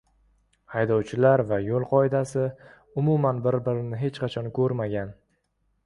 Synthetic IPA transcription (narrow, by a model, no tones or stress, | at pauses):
hajd̪ɒwt͡ʃʰɪlaɾvajolˠqʰɒɪd̪asɪ | ʊmʊmanbɪɾbɪɾɪnɪɦe̞t͡ʃqʰɑt͡ʃʰɒnkʰɵɾmaɡʲan